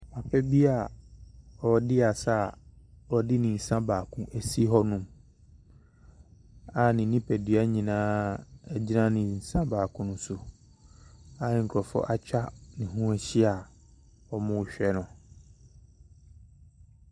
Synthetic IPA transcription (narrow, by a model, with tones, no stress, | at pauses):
ma˨pʰɛ˦bi˦a˨ | ɔ˨dɪ˦a˨sa˦˨ | wɔ˨dɪ˦nɪ̃˨n̩˨sã˦baː˨kʰʊ̃˦ʔɛ˨si˦ɦɔ˦nʊ̃˦˨m | a˨nɪ̃˨˦nĩ˦pʰɛ˨dɥa˦ɲĩ˨nãː˦ɛ˦d͡ʑi˦nã˦nɪ̃˨n̩˨sã˦baː˨kʰʊ̃˦nʊ̃˦sʊ˨ | a˨ŋ̩˨kʰɾɔ˨fɔ̰˦ʔa˦t͡ɕᶣa˦nɪ̃˨ɦũ˦ɛ˨ɕi˦a˨ | ɔ˨mʊ̃˦˨ɕᶣɛ˦nʊ̃˨